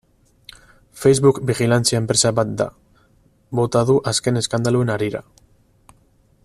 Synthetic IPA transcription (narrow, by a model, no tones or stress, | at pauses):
fejzβukbiɣilant͡siaempɾe̞saβat̪̚d̪a̰ | bo̞t̪að̞uʔaske̞ne̞skand̪alue̞naɾiɾa̰